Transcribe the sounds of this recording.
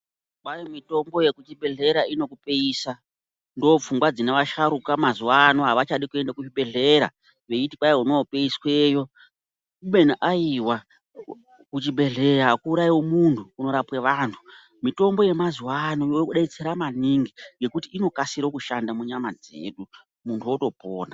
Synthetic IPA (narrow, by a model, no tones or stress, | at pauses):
kajomito̞mbo̞je̞kut͡ʃibe̞ɮe̞ɾaino̞kupeiːsa | ndoop͡fuŋɡwad͡zineʋaʃaɾukamazuwanoɦaʋat͡ʃaɗikue̞ndakut͡ʃiɓe̞ɮe̞ɾa̰ | ʋe̞itikajeuno̞pe̞iswe̞ːjo̞ | uɓe̞naʔaiwa | kut͡ʃiɓe̞ɮeɾakuːɾaiwo̞muntʰuːno̞ɾapweʋaːntʰu̥ | mito̞mbo̞je̞mazuwanojokuɗait͡seɾamaniŋɡiŋɡe̞kutiːno̞kasiɾokuʃandamuɲamad͡zḛːɗu | muntʰuoto̞poːna